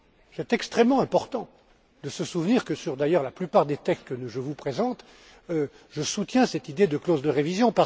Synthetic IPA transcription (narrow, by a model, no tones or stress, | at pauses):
sɛt̪ɛkst̪χɛmːɑ̃ɛ̃pɔʁt̪ɑ̃ | d̪əsəsuvniʁkəsyʁd̪ajœʁlaplypaʁd̪et̪ɛkst̪̚kəʒəvupχezɑ̃t̪ | ø | ʒəsut̪jɛ̃sɛt̪id̪ed̪əklozd̪əʁevizjɔ̃pa